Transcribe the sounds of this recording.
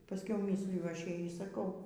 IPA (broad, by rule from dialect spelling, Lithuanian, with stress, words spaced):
pɐˈsʲkʲɛʊ ˈmʲiːsʲlʲɪjʊ ˈɐʃ ˈjɛɪ iː sɐˈkɐʊ